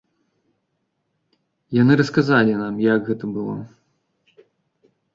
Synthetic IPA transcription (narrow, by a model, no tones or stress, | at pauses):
janɨɾɐskazalʲinamjaɡɣɛt̪ɐbɨlˠɔ̰